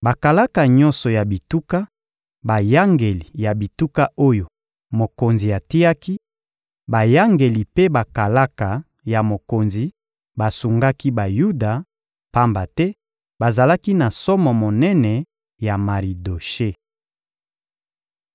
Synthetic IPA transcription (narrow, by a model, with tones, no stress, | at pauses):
ba˨ka˨la˦ka˨ɲɔ̃˦nsɔ˨ja˨bi˨tu˦ka˦ | ba˨ja˦ŋɡe˨li˨ja˨bi˨tu˦ka˦ʔo˦jo˨ | mo˨ko˨nzi˨ja˨ti˦a˦ki˦ | ba˨ja˦ŋɡe˨li˨pe˦ba˨ka˨la˦ka˨ | ja˨mo˨ko˨nzi˨ | ba˨su˨ŋɡa˦ki˦ba˨ju˦da˨ | pa˦mba˨tɛ˦ | ba˨za˨la˦ki˦na˨sɔ˦mɔ˨mo˨nɛ˦nɛ˨ | ja˨ma˨ʁi˨do˨ʃe˦